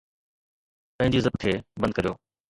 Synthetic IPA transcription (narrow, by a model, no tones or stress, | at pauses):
pɐ̃ɦɪ̃ɲd͡ʑiuzəbkʰeːbɐ̃nd̪̚kəɾjoː